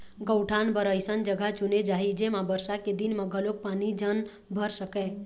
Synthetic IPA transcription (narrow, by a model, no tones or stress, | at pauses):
ɡəwʈʰanbəɾəjsənd͡ʒəɡʱat͡ʃuned͡ʒaɦid͡ʒemãbəɾsaked̪inmãɡʱəlok̚panid͡ʒən | bʱəɾsəkẽ